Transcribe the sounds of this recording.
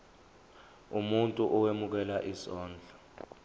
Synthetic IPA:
umuntʼuʔɔwemuk̬ɛlaʔisɔːnd͡ɮʱɔ̥

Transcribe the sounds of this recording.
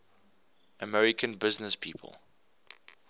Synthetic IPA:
ʔəmɛɹɪkʰə̃nbɪznəspʰiːpʰə̰lˠ

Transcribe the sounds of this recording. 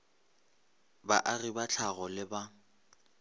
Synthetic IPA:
ba̰ʔaribat͡ɬʰaɣɔlɪba

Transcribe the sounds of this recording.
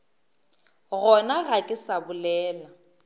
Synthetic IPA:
ɣɔnaɣakʼɪsabʊlɛːla

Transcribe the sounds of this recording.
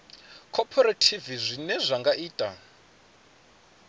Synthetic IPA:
kʰɔpʰɔɾatʰivizʷinɛʐaŋɡaʔiːtʼa̰

